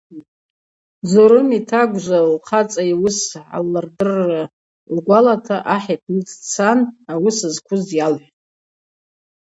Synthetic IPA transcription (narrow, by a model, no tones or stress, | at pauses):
d͡zoɾɨmitʰaɡʷʒʷalqʰat͡sʼajwʊsʕa̰lːardɨrːa | lɡʷalatʰaʔaħapʰnɨt͡st͡sʰanawʊsɨzkʷʰʊzjalħʷʼ